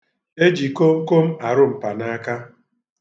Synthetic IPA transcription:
e˦d͡ʒi˨ko˦ŋ̩˦ko˦m̩˦a˨ɾʊ˦m̩˨pa˨na˦a˦ka˦

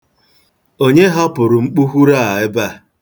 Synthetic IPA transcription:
o˦ɲe˦ɦa˦pʊ˨ɾʊ˨ŋ͡m̩˦k͡pu˦ɦu˦ɾa˦˨a˨ɪ˦ba˦˨

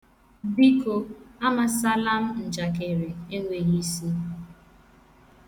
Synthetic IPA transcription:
bi˦ko˨a˦ma˨sa˦la˦m̩˦n̩˨d͡ʒa˨ke˨ɾe˨e˦ŋʷe˨ɣi˦si˦

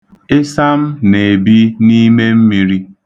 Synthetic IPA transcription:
ɪ˦sa˦m̩˦ne˨bi˦ni˦me˦m̩˦mi˨ɾi˦

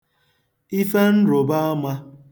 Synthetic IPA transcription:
i˦fe˦n̩˦ɾo˨ba˦a˦ma˦

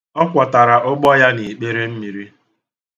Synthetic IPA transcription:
ɔ˦kʷa˨ta˨ɾa˨ʔʊ˦ɡ͡bɔ˦ja˦ni˨k͡pe˦ɾe˦m̩˦mi˨ɾi˦

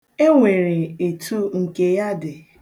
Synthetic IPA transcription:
e˦ŋʷe˨ɾe˨e˨tʰu˦ŋ̩˨ke˨ja˦dɪ˨

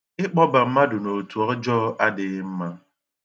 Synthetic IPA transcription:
ɪ˦k͡pɔ˦ba˨m̩˦ma˦dʊ˨no˨tu˨ɔ˦d͡ʒɔː˦ʔa˦dɪ˨˦m̩˦ma˦

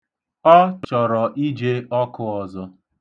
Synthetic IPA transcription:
ɔ˦t͡ʃɔ˨ɾɔ˨ʔi˦d͡ʒe˦ɔ˦kʊ˦ɔ˨zɔ˦

